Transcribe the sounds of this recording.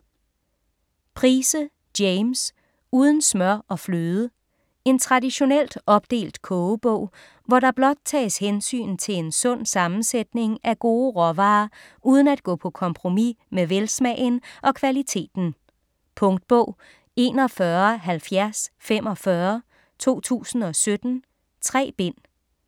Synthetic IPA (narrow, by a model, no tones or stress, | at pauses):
pʰʁiːsə | d̥eɪms | uːð̞ˠən̩smɶɐɒ̽fløːð̞ˠə | e̝nt͡sʰʁɑ̈diɕo̝nel̰d̥ɒ̽b̥̚d̥e̝̰ːld̥kʰɔːʊb̥ɔ̽ʊ̰ | ʋɒɾɑ̈b̥lɒ̽d̥̚t͡sʰɛ̰ːɪshensy̰ːn̩t͡sʰe̝le̝nsɔ̽n̰sɑ̈mn̩sed̥ne̝ŋæɡ̥o̝ːʁɒʋɑ̈ː | uːð̞ˠn̩æd̥̚ɡ̥ɔ̰̽ːpʰɒ̽kʰɒ̽mpʰʁo̝mimeʋelsmɛːɪnʔɒ̽kʰʋælit͡sʰe̝̰ːd̥n̩ | pʰɔ̽ŋd̥̚b̥ɔʊ̰ | e̝ːnɒ̽fɶɐɦælfjæɐsfem̰ɒ̽fɶɐ | t͡sʰo̝̰ːt͡sʰṵːsn̩ɒ̽sød̥n̩ | t͡sʰʁɛ̰ːb̥e̝n̰